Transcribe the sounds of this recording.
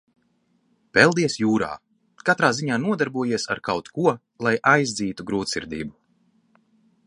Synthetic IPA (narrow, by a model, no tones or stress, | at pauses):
pɛlˠd̪iɛsjuːɾa̰ː | kat̪ɾaːziɲaːnuɔd̪aɾbuɔjiɛsaɾkawt̪kuɔ | lˠajʔajzd̪ziːt̪uɡɾuːt̪sḭɾd̪ḭːbu